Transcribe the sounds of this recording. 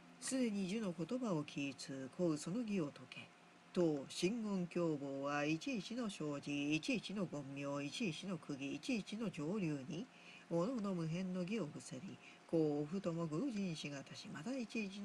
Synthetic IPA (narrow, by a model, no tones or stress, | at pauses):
sɨd̪e̞ɲ̟iʑɨno̞ko̞t̪o̞baokʲʰiːt͡sɨːkʰo̞ɯ̟so̞no̞ɡʲio̞t̪o̞ke̞ | t̪oɕĩŋɡõ̞ŋkʲo̞ːbo̞ːβait͡ɕiːt͡ɕino̞ɕo̞ːʑiːt͡ɕiːt͡ɕino̞ɡõ̞mːʲjo̞ːit͡ɕiːt͡ɕino̞kɯ̟ɡʲiːt͡ɕiːt͡ɕino̞d͡ʑo̞ːɾʲɯːɲ̟i | monood̪o̞mɯ̟ɦẽ̞nːo̞ɡʲio̞ɡɯ̟seɾʲi | ko̞ːɸɯ̟t̪o̞mo̞ɡɯʑĩɲ̃ɕiɡat̪aɕimad̪ait͡ɕiːt͡ɕi